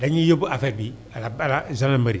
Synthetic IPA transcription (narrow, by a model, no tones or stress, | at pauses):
daɲĩjobuafɛbi | alabalazãnamaɾi